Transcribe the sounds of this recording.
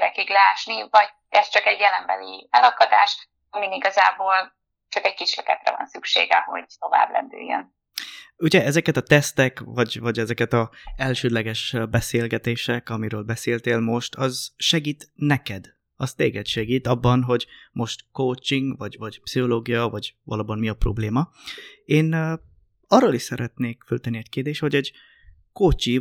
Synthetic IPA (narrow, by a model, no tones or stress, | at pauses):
ɾɛkiɡlɛaːʃnivɒɟ | ɛst͡ʃɒkɛɟjɛlɛmbɛlḭɛlɒkɒd̪a̰ːʃ | ɒminiɡɒzaːboːl | t͡ʃɒkɛɟ̚kiʃløkɛ̰t̪rɛ̰vɒ̰nsykʃḛːɡɛɦo̞̰ɟt̪o̞va̰ːblɛ̰nd̪y̰jːø̰n | uɟɛɛzɛkɛt̪ɒt̪ɛst̪ɛkvɒɟvɒɟɛzɛkɛt̪ɒɛlʃøːd̪lɛɡɛʃbɛseːlɡɛt̪eːʃɛkɒmiɾøːlbɛseːlt̪eːlmo̞ʃt̪ʰɒzʃɛɡiːt̪nɛkɛd̪ | ɒst̪eːɡɛt̪ʃɛɡiːt̪ɒbːɒnɦo̞ɟmo̞ʃt̪koːt͡ʃiŋɡvɒɟvɒɟpsiɦo̞loːɡijɒvɒɟvɒ̰loːbɒnmiɒpro̞̰bleːmɒeːn | ɒrːoːliʃsɛɾɛt̪neːkfølt̪ɛnːiɛɟkeːrd̪eːʃt̪ho̞ɟɛɟ | kot͡ʃi